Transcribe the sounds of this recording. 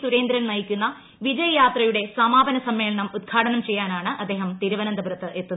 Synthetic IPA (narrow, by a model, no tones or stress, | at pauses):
suɾe̞ːnd̪ɾɐmnɐjikʲːunːɐ | ʋid͡ʑɐjɐjaːt̪rɐjuɽe̞sɐmaːbɐnɐsɐmːe̞ːɭɐɳɐmud̪̚ɡʰʱaːʈɐnɐmt͡ɕe̞jːaːnaːɳɨʔɐd̪ːe̞ːɦɐmt̪iɾuʋɐnɐnd̪ɐbɾɐt̪ːɨʔe̞t̪ːunɐ